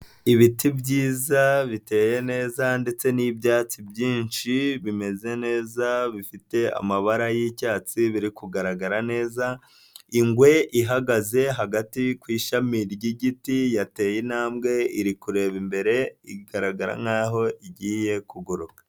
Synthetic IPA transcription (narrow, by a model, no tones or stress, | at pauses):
iβitibɟiːzaβite̞ːje̞ne̞ːzande̞t͡se̞nibjaːt͡sibjiːnʃiβime̞ze̞ne̞ːzaβifite̞a̰maβaɾajicaːt͡siβiɾikuɡaɾaɡaɾane̞ːza | iŋɡwe̞ʔiɦaɡaze̞ɦaɡatikwiːʃamiɾɟiɟitijate̞ːjenaːmɡe̞iɾikuɾe̞ːβimbe̞ɾe̞iɡaɾaɡaɾa̰ŋaːɦo̞ʔiɟiːje̞kuɡuɾukḁ